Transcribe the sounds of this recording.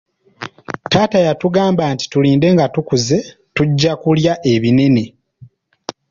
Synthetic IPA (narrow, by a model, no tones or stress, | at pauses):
taːtajatuɡaːmbaːnti̥tuliːnde̞ŋɡatukuze̞ | tuɟːakuljaʔe̞βine̞ne̞